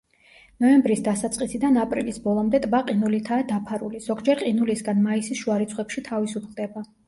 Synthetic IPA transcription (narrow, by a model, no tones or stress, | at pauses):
nɔɛmbɾisd̪asat̪sʼqʼisid̪anapʼɾḭlisbɔlˠɔmd̪ɛt̪ʼbaqʼinulit̪ʰaːd̪apʰaɾṵliz̥ɔɡd͡ʒɛɾqʼinulisɡanmaisisʃuaɾit̪sʰχwɛpʃit̪ʰavisupʰld̪ɛba